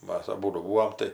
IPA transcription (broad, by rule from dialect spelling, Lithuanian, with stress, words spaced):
ˈmɐs ɐˈbuːdʊ ˈbuːoːm tɐɪ